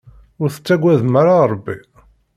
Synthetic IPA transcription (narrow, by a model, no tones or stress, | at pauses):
ʊɾθə̥t͡sːæɡʷːæðmaɾaɾˤəbːi